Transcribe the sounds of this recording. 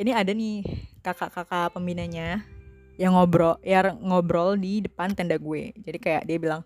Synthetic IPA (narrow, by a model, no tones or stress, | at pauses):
iniadanɪkakakakapəmbinaɲa | jaŋɔbɾɔjarŋɔbɾɔldidəpant̪ɛndaɡuḛd͡ʒadikaja̰ʔdiabilaŋ